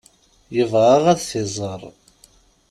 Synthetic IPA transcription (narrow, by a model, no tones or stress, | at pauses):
jəvʁaʁæðθɪzˤəɾˤ